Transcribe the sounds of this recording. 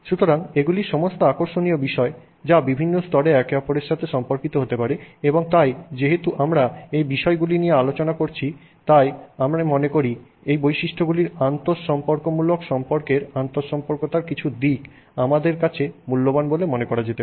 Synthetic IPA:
ʃut̪oɾaŋeɡuliɾʃɔmost̪oakoɾʃoniobiʃɔe | d͡ʑabibʱinːost̪ɔɾeɛkeɔpoɾeɾʃat̪ʰeʃɔmpoɾkit̪oɦot̪epaɾeeboŋt̪ajd͡ʑeɦet̪uʔamɾaejbiʃɔeɡulinijealot͡ɕonakoɾt͡ɕʰi | t̪ajamɾamonekoɾi | ejbojʃiʃʈʰoɡuliɾant̪oɾʃɔmpoɾkomulokʃɔmpoɾkeɾant̪oʃɔmpoɾkot̪aɾkit͡ɕʰud̪ik | amad̪eɾkat͡ɕʰemulːobanbolemonekɔɾad͡ʑet̪e

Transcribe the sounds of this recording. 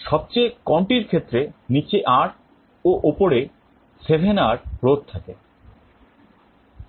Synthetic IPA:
ʃɔb̚t͡ɕejkɔɳʈiɾkʰet̪ːɾenit͡ɕeʔaɾ | oʔopoɾe | sebʱenaɾpɾod̪̚t̪ʰake

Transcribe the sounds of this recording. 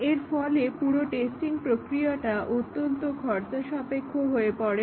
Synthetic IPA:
eɾfɔlepuɾoʈesʈiŋpɾokɾiaʈaʔut̪ːont̪okʰɔɾt͡ɕaʃɔpekʰːoɦoepɔɽe

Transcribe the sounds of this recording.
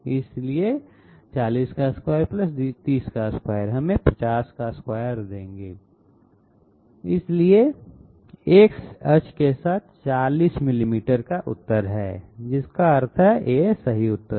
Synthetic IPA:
ɪslie | t͡ʃaːliːskaskwaːjəɾplɐsit̪iːskaskwaːjəɾɦɐmẽpɐt͡ʃaːskaskwaːjəɾd̪ẽːŋɡeː | ɪslie | eːksɐt͡ʃkesaːt̪̚ʰt͡ʃaːliːsmɪlimiːʈəɾkaʔʊ̰t̪ːəɾɦɛ̰ːd͡ʒɪskaɐɾt̪ʰɦɛjesɐɦiʊt̪ːə

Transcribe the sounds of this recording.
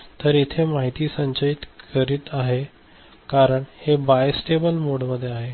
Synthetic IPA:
t̪əɾit̪ʰemaɦit̪iːsəɲt͡ɕəit̪kəɾiːt̪aɦe | kaɾəɳhebajsʈebəlmoɽməd̪ʱːjeaɦe

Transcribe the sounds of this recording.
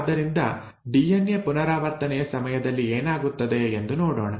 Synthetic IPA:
d̪ːɐɾind̪ɐ | ɖijenjepunɐɾaːʋɐɾt̪ɐnɛjɐsɐmɐjɐd̪ɐlːieːnaːɡut̪ːɐd̪e̞end̪unoːɽo̞ːɳɐ

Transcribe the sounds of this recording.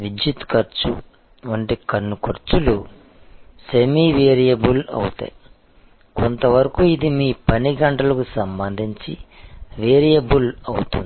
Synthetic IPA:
ʋid͡ʒjit̪kɐɾt͡ʃṵ | ʋɐɳʈikɐnːukoɾt͡ʃulu | semiːʋeːɾijɐbulɐ̰wut̪ɐ̰j | kont̪ɐʋɐɾɐkuid̪imiːpɐniɡɐɳʈɐlɐkusɐmbɐnd̪ʱiɲt͡ʃiʋeːɾijɐbulɐ̰wut̪und̪i

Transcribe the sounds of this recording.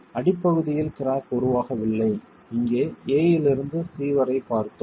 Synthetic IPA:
ɐɽɪpːɐɣɯðɪjɪlkɪɾaːkɔɾɯʋaːɣɐʋɪlːɐɪ | ɪŋɡeːeːjɪlɪɾɯnd̪ɯsiːʋɐɾɐɪpːaːɾt̪ɯm

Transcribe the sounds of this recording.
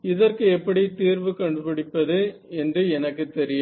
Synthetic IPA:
ɪðɐrkɯɛpːɐɽit̪iːɾʋɯkɐɳɖɯpɪɽɪpːɐðɯɛndrɯɛnɐkːɯt̪ːɛɾɪjɐm

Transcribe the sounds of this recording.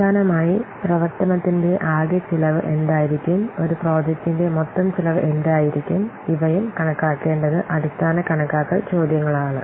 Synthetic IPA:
aːnɐmaːjiprɐʋɐrt̪ɐnɐt̪ːinde̞ʔaːɡjɐt͡ɕilɐʋɨʔe̞nd̪aːjiɾikʲːumo̞ɾupro̞ːd͡ʑɐk̚tːinde̞mot̪ːɐmt͡ɕilɐʋɨʔe̞nd̪aːjiɾikʲːum | iʋɐjumkɐɳɐkːaːkːe̞ːɳɖɐðɨʔɐðist̪ʰaːnɐkɐɳɐkːaːkːɐt͡ɕo̞ːd̪jɐŋːɐɭaːɳɨ

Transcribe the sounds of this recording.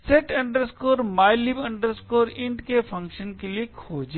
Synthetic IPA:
seʈɐ̃ɳɖəɾskoːɾmaːɪlibɐ̃ɳɖəɾskoːɾɪ̃ɳʈkefʰɐ̃ŋkʃənkeliekʰoːd͡ʒe

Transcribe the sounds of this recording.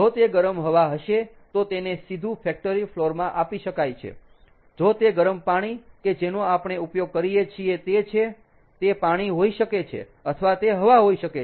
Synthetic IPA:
d͡ʒot̪eɡəɾəmɦəʋaɦəʃe | t̪ot̪enesid̪ʱũfɛk̚ʈəɾifloɾmãʔapiʃəkajt͡ʃʰḛ | d͡ʒot̪eɡəɾəmpaɽ̃iked͡ʒenoapɳ̃eupjoɡ̚kəɾijet͡ʃʰiet̪et͡ʃʰe | t̪epaɽ̃iɦoiʃəket͡ʃʰḛ | ət̪ʰəʋat̪eɦəʋaɦoiʃəke

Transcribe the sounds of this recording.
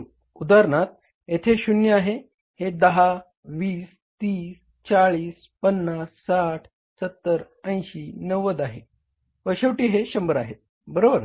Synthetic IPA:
ud̪aɾɳat̪̚ | et̪ʰeɕunjəaɦe | hed̪əɦa | ʋiːs | t̪iːs | t͡ɕaɭiːs | pənːasːaʈʰ | sət̪ːəɾ | ə̃j̃ɕinəʋəd̪aɦe | ʋəɕeʋʈiːɦeɕəmbəɾaɦe | bəɾobəɾ

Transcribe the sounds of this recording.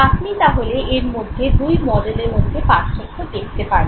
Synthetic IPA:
at̪ʰmit̪aɦoleeɾmod̪ʱːed̪ujmɔɖeleɾmod̪ʱːepaʃmikʰːot̪eɾit̪epaɾ

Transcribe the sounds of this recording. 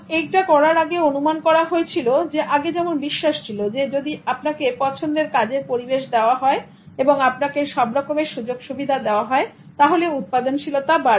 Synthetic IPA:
ekʈakɔɽaɾaɡeonumankɔɾaɦoet͡ɕʰilod͡ʑeʔaɡed͡ʑɛmonbiʃːaʃt͡ɕʰilod͡ʑed͡ʑod̪iapnakepɔt͡ɕʰond̪eɾkad͡ʑeɾpoɾibeʃd̪eoaɦɔe | eboŋapnakeʃɔbɾɔkomeʃud͡ʑoɡʃubid̪ʱad̪eoaɦɔe | t̪aɦoleut̪̚pad̪ont͡ɕʰilot̪abaɾ

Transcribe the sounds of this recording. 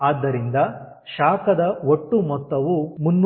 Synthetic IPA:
aːd̪ːɐɾind̪ɐ | ʃaːkɐd̪ɐoʈːumɔt̪ːɐʋumunː

